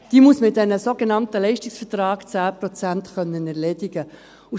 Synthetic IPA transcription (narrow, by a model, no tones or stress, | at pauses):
d̥iːmusmɪt̚dɛnəsoɡenɑntəlɛɪʃtɪksfətrɑːɡt͡sæːpɾɔt͡sæntχœnːənæʁleːdiɡə | u